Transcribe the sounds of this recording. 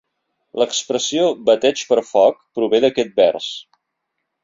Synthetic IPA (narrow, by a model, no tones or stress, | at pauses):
ləkspɾəsioβət̪ɛt͡ʃpəɾfɔk̚pɾuβeðəkɛt̪̚bɛrs